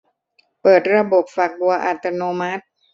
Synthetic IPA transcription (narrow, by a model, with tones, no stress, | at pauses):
pɤː˨˩t̪̚ɾa˧bo˨˩p̚fa˨˩k̚bu˧ɐʔa̰˨˩t̪a˧noː˧ma˦˥t̪̚